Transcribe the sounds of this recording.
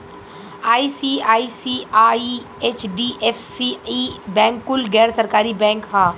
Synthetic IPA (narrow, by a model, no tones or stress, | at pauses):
aːisiaːisiaːi | et͡ʃɖiʔefsiibɛ̃ːŋkːʊlɡɛːɾsɐɾkaːɾibɛ̃ːŋkhaː